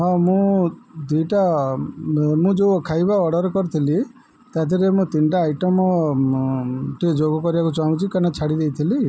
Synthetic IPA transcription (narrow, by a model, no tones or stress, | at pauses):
ɦɔ̃mũd̪iʈa | mũd͡ʒoɔkʰajbaɔɽɔɾɔkɔɾit̪ʰili | t̪at̪̬ʰiɾemũt̪inʈaːjʈɔmɔ | ʈid͡ʒoɡɔkɔɾibakut͡ʃaw̃t͡ʃʰikanat͡ʃʰaɽid̪ejt̪ʰili